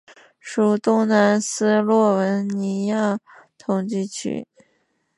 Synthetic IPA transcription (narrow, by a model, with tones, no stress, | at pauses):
ʂu˧˩t̪ʊ˥ŋna˧˥nsɹ̩˥lwɔ˥˩wə˧˥nni˧˥ja˥˩ | t̪ʰʊ˨˧˩ŋt͡ɕi˥˩t͡ɕʰy̰˧˥˦